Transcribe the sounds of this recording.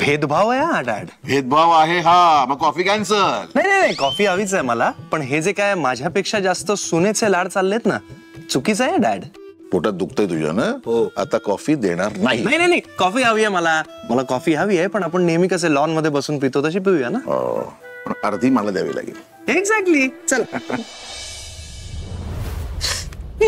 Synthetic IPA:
bʱed̪bʱaʋajaaɖæ̰ɽbʱed̪̚bʱaʋaɦeɦaməɡkːɔfiːkɛnsəlnaɦjnajnajkɔfiːɦaʋiːt͡sajməlapəɳɦed͡zekajmad͡ʑʱjapekʂad͡zast̪əsunet͡selaɽt͡salːet̪na | t͡sukiːt͡sajaɖæɽ | poʈad̪ukt̪əjt̪ud͡ʑʱa̰nəɦoa̰t̪akɔfiːd̪eɽ̃aɾnaɦinaɦjnaɦjnajkɔfiːaʋiɛməla | məlakɔfiːɦaʋiːajpəɳapəɳnemikəs̬elɔnməd̪ʱːjebəsuːnp̬it̪ot̪əɕ̬iːp̬iʋianaɦo̰ | əɳəɾd̪ʱiːməlad̪ja̰ʋḭla̰ɡḭl | eɡzɛk̚ʈlit͡səl

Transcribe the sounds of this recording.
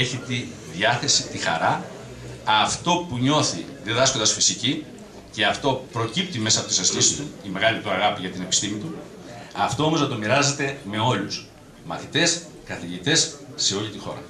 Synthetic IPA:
eçit̪i | ðjɐθe̞sit̪ixɐ̰ɾɐː | ft̪o̞puɲo̞θi | ðeðɐskond̪ɐsfisici | ce̞ɐft̪o̞pɾo̞cip̚t̪ime̞sɐpo̞t̪isɐstisi̥st̪uime̞ɣɐlit̪uɐɣɐpiʝɐt̪ine̞pi̥st̪imit̪u | ɐft̪o̞o̞mo̞znɐt̪o̞miɾɐze̞t̪e̞me̞o̞lus | mɐθit̪e̞s | kɐθiʝit̪e̞sse̞o̞ʎit̪ixo̞̰ɾɐ̰

